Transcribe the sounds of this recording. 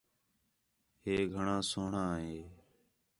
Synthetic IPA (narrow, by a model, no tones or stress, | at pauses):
ɦeːɡʱəɳãːsoːɳãːɦeː